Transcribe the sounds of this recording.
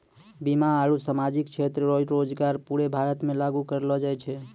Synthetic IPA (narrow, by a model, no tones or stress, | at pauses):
bimaːɽusamad͡ʒikt͡ʃʰet̪ɾəɾoɾod͡ʒɡaɾpuɽebʱaɾət̪mẽlaɡukəɾlɔd͡ʒajt͡ʃʰɛ